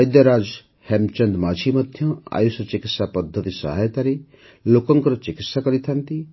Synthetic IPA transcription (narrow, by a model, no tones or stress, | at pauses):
jd̪jaɾad͡ʒ | hɛmt͡ʃɔnd̪mat͡ʃʰimɔd̪ʱjɔa̰jusɔt͡ʃikit̪sapɔd̪ʱːət̪isa̰ɦajt̪aɾe | lokɔŋkɔɾɔt͡ʃikit̪sakɔɾit̪ʰant̪i